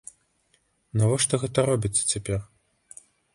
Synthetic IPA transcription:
navɔʂt̪ɔɣɛt̪ɐɾɔbʲit̪sːɐ̥t͡sʲapʲɛr

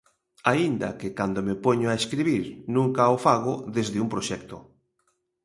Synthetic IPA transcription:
aind̪a̰kekand̪omepoɲoaeskɾiβiɾnũŋkaofaɣ̞oðezðɪumpɾoʃɛk̚t̪o

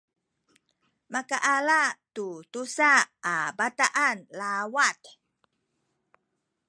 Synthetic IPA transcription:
makaʔalatutusaabataʔanlawat

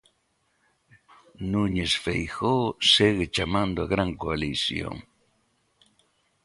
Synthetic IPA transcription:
nuɲesfejxoseɣet͡ʃamand̪oaɣɾaŋkoalisjo̰ŋ

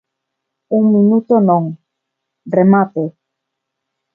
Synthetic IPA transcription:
uŋmĩnut̪onõŋ | remat̪e

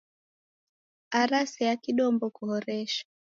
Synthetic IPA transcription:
aɾasɛjakiɗɔmbɔkuhɔɾɛʃḁ

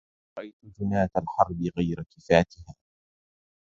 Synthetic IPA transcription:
ɾˤɑʔajt̪ʊd͡ʒʊnaːt̪alħɑɾˤbɪɣajɾakɪfaːt̪ɪhaː

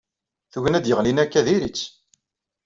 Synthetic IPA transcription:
θuʝənæd̪jəʁlinækːæðiɾit͡sː

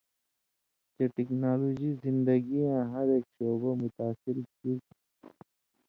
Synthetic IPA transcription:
t͡ʃeʈiknaːloːd͡ʒizɪ̃nd̪əɡiãɦɐɾeːkʃoːbamʊt̪aːsɪɾki

